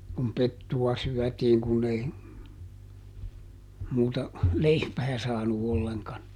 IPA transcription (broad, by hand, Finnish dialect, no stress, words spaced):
kum petːuwɑ syœˑtiːŋ kunː ei muːtɑ leipæː sɑːnu olːeŋkɑn